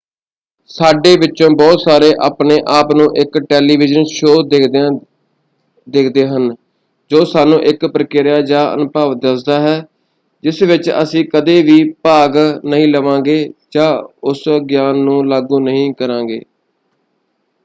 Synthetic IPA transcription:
saːɖeːʋɪtːt͡ʃːõːbɔːt̪saːɾeːʔaːpɳeːʔaːpnũːʔɪkʈɛːliːʋɪd͡ʒənʃoː | d̪eːkʰd̪eːɦən | d͡ʒoːsaːnũːʔɪkpɾəkɪɾjaːd͡ʒãːʔə̰npaːʋd̪əsd̪aːɦɛː | d͡ʒɪsʋɪt͡ʃə̰sĩːkəd̪eːʋiːpaːɡnəɦĩːləʋãːɡeːd͡ʒãːʊsɡjaːnːũːlaːɡũːnəɦĩːkəɾãːɡḛː

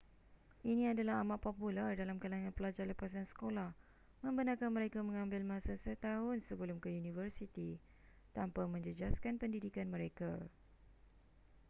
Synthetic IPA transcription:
ʔinĩadalaɦamaʔ̪̚populardalamkalaŋãnpəlad͡ʒaləpas̬ansə̥kolah | mə̃mbənakanməɾekamə̃ŋãmbɪlmãsasət̪aɦʊnsəbəlʊmkəjunĩfərsit̪i | t̪ampamə̃ɲd͡ʒəd͡ʒaskanpəndidikanmə̃ɾeka

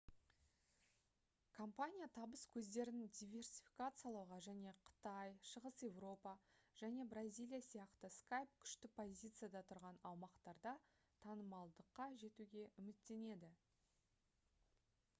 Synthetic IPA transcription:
kʰompanʲijat̪ʰɑbəskʲʰɵzd̪e̞ɾɪnɪd̪ʲijvʲe̞rsʲi̥fʲi̥kat̪sɨjalˠɑwʁɑʒæne̞qʰə̥t̪ɑjʃəʁəsje̞vro̞pɑʒ̥æne̞brazʲijlʲˠijasijɑqt̪əskajp̚kʲʰʏ̥ʃt̪ɪpʰo̞zʲijt̪sɨjad̪ɑt̪ʰʊɾʁɑnɑwmɑqt̪ɑɾd̪ɑ | t̪ʰɑnəmɑlˠd̪əqːɑʒe̞t̪uɡʲe̞ʔʏmɪt̪ːe̞ne̞d̪ɪ

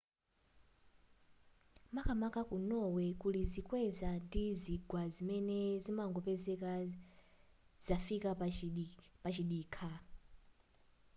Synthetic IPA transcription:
makʰamakʼakunɔwɛkʼulizikʼwɛzandiziɡwazimɛnɛzimaŋɡɔpɛzɛka | z̥afika | pat͡ʃiɗiːkʰa

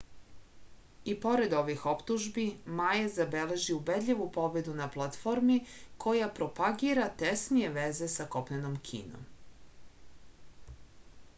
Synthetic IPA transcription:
ipo̞ɾe̞d̪o̞ʋixo̞pt̪uʒbimajezabele̞ʒiubed̪ʎʲiʋupo̞be̞d̪unaplˠat̪fo̞ɾmikʰo̞japɾo̞paɡiɾat̪esnije̞ʋeze̞sako̞pnenomkʰḭːno̰m

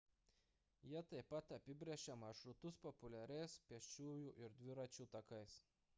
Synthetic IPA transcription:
jiɛt̪ɐɪpːɐt̪ɐpʲɪbʲɾʲɛʃʲɛmɐʃɾʊt̪ʊspɔpʊlʲæɾʲɛɪspʲiɛʃʲt͡ʃʲuːjuːʔɪɾd̪ʲʋʲɪɾɐt͡ʃʲuˑt̪ɐkɐɪs

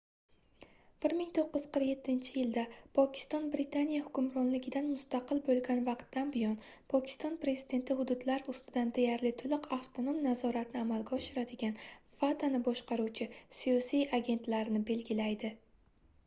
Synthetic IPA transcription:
b̥ɪɾmɪŋt̪ʰoqːɨz̥qʰɨɾje̞t̪ʰːɪnt͡ʃʰɪjɪld̪apʰɒkʲɪ̥st̪ɒnbɾɪt̪ʰanijahʊkʲʊmɾɒnlɪɡʲɪd̪anmʊst̪aqʰɨlbolˠɡʲanvɑqt̪ːanbɪjɒnpʰɒkʲʰɪ̥st̪ɒnpɾe̞zɪd̪e̞nt̪ʰɪhʊd̪ʊd̪laɾʊst̪ɪd̪and̪ejaɾlɪt̪ʰʊlɪqʰaft̪ʰonomnazɒɾat̪nɪamalɡʲaɒʃɪɾad̪ɪɡʲanfat̪ʰanɪbɒʃqɑɾuwt͡ʃʰɪsijɒsijaɡʲe̞nt̪laɾɪnɪbe̞lɡʲɪlajd̪ɪ

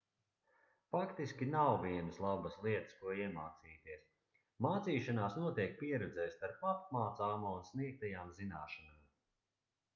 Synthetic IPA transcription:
fakt̪iskʲinawviɛnɨslˠabɐslˠiɛt̪ə̥skuɔiɛmaːt̪siːt̪iɛs | maːt̪siːʃanaːsnuɔt̪iɛk̚piɛɾɛd̪zɛːst̪aɾpap̚maːt̪saːmuunsniɛk̚t̪ajaːmzinaːʃanaːm

